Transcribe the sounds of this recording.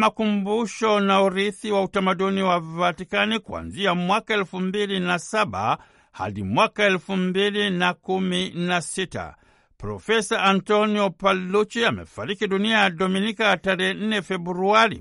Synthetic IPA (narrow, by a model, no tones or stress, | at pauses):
makumbuʃɔnauɾiθiwautamaɗuniwavatikanikua̰nziamwakaɛlfumbilinasaɓa̰ | ha̰ɗimwakaɛlfumbilinakuminasita̰ | pɾɔ̰fɛsaʔantɔniɔpalut͡ʃiamɛ̰faɾikiɗuniajaɗɔminikataɾɛhɛn̩nɛfɛbɾuaɾḭ